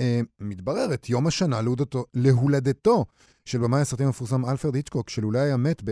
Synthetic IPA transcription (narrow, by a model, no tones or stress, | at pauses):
emit̪baʁe̞ʁet̪ʰjo̞maʃanaludotoleɦulad̪eto̞ | ʃelbemajasʁat̪immefuʁsamalfeʁd̪it͡ʃkokʃelulajajamet̪be